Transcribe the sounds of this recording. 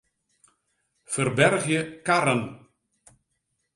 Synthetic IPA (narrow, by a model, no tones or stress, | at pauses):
fərbɛrɣjəkaɾən